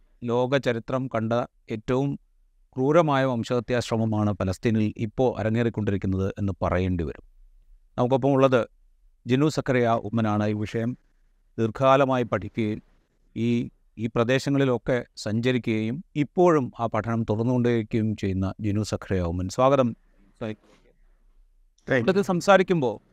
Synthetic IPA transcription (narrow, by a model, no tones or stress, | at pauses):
lo̞ːɡɐt͡ɕɐɾit̪rɐmkɐɳɖɐ | e̞ːtːɐʋum | kruːɾɐmaːjɐʋɐmɕɐɣɐt̪jaːɕrɐmɐmaːɳɨpɐlɐst̪iːnilḭpːo̞ːʔɐ̰ɾɐŋːeːrikʲːo̞ɳɖiɾikʲːunːɐðɨʔe̞nːɨpɐ̰rɐjeːɳɖiʋɐ̰ɾum | nɐmuk̬ːo̞p̬ːɐmuɭːɐðɨ | d͡ʑenuːsɐkʰːɐɾɐjaːʔumːɐnaːɳɨiʋiʂɐjɐm | d̪irkʰaːlɐmaːjipɐʈʰikʲːuɣɐjum | iː | iːprɐd̪e̞ːɕɐŋːɐɭilo̞kːe̞sɐɲd͡ʑɐɾikʲːuɣɐjumipːo̞ːɻumaːpɐʈʰɐɳɐmt̪urɐnːukɣo̞ɳɖɨekʲːujumt͡ɕe̞jːunːɐd͡ʑenuːsɐkʰːɐɾɐjaumːɐnsʋaːɡɐðɐm | ɐt̪ːisɐmsaːɾikʲːumbo̞ː